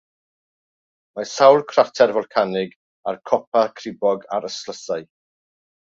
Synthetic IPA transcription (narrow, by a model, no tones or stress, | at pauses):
masawlˠkʰratʰɛrvɔlˠkʰanɪɡ | arkʰɔpʰakʰrɪbɔɡaɾəslˠəsaɨ